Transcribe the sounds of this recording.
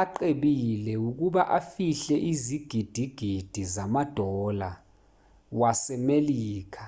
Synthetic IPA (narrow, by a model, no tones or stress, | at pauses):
aǃeɓilɛuk̬uɓaʔafiɬɛʔiziɡ̥ʱid̥ʱiɡ̥ʱid̥ʱizamad̥ʱɔla | wasɛmeliːk̬ʰḁ